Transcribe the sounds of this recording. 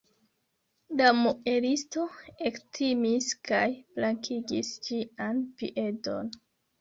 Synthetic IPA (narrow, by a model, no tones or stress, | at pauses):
damuʔe̞ɾisto̞e̞ktʰimiskajflaŋkʰiɡist͡ʃianpḭʔe̞to̞̰n